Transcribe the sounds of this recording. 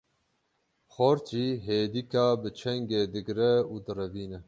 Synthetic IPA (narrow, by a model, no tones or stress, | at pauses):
xɔɾt͡ʃiːɦeːd̪ikaːbɨt͡ʃʰɛŋɡeːd̪ɨɡɾɛuːd̪ɨrɛviːnɛ